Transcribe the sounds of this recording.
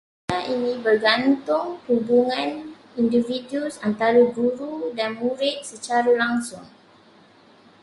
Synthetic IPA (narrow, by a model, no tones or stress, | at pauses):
aʔinĩbərɡant̪ʊŋhubuŋãn | individiusant̪aɾuɡuɾudanmuɾɪt̪̚sət͡ʃaɾalaŋsʊŋ